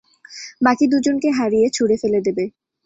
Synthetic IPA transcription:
bakid̪ud͡ʑonkeɦaɾijet͡ɕʰuɽefeled̪ebe

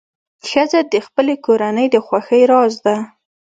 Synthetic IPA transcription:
xəzad̪əxpəlekoɾanəjd̪əxwaxəjɾɑzd̪a

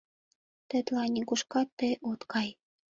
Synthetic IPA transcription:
t̪ə̆t̪lɑnʲikuʃkɑt̪ːeʔot̪kɑj

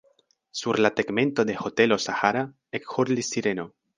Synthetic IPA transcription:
surlat̪eɡmẽnt̪oðexot̪elosaxaɾa | ekxuɾlisiɾeno

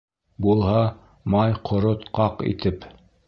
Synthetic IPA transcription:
bulˠhɑ | mɑjqʰŏɾot̪qɑqḭt̪ɘp

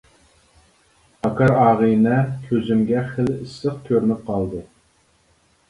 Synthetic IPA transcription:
ɑkʰɑɾɑːʁɨjnɛkʲʰøzymɡʲɛχəlɨsːɨχt̪ʲʰøɾnɪp̚qʰɑlˠd̪ɨ

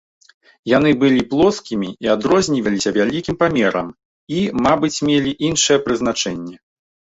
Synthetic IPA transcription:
jan̪ɨbɨlʲiplˠɔskʲimʲiiad̪ɾɔzʲnʲivʲɐlʲisʲɐvʲalʲikʲimpamʲɛɾɐ̰m | imabɨt͡sʲmʲelʲiʔinʂɨjɛpɾɨzn̪at͡ʂɛnʲːɛ

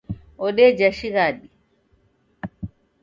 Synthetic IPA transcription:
ɔɗɛd͡ʒaʃiɣaɗi

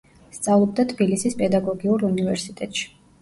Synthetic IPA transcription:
st̪sʼavlˠɔb̚d̪at̪ʰbilisispʼɛd̪aɡɔɡiuɾunivɛɾsit̪ʼɛt̪ʼʃi̥

